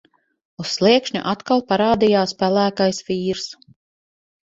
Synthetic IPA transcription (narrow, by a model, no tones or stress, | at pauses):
usːlˠiɛkʃɲʲṵʔat̪kalˠpaɾaːd̪ijaːspælˠæːkajsviːɾs